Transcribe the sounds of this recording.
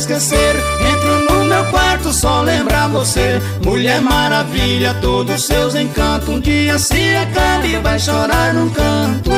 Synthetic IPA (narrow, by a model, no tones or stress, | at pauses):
skeseɾ | ẽt̪ɾunʊmewkwaɾt̪ʊsɔlẽmbɾavose | muʎɛɾmaɾaviʎɐt̪od̪ʊsːewzẽj̃kɐ̃nt̪ʊ̃kɪɐsĩɐkabivajʃɔɾaɾnũkɐ̃t̪ʊ